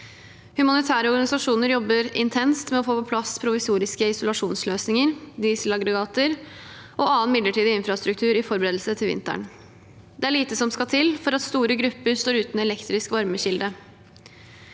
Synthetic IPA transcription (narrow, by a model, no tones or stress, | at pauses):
hʉmɑnɪt̪ʰæːɾəɔɾɡɑnɪsɑʂuːnəɾjɔbːəɾɪnt̪ʰɛnst̪mɛɔfoːpʰɔpʰlɑspʰɾʊʋɪsuːɾɪskəɪsʊlɑʂuːnsløːsnɪŋəɾd̪iːsəlɑɡɾɛɡɑːt̪əɾ | ʔɔʔɑːənmɪd̪əʈʰiːd̪ɪɪnfɾɑst̪ɾʉk̚t̪ʰʉːɾɪfɔɾbəɾeːd̪l̩sət̪ʰɪlʋɪ̰nt̪æ̰ɳ | d̪ɛæɭiːt̪əsɔmskɑt̪ʰɪlfɔɾɑt̪st̪uːɾəɡɾʉpːəɾst̪oːɾʉːt̪nɛlɛkt̪ɾɪskʋɑɾməɕɪld̪ə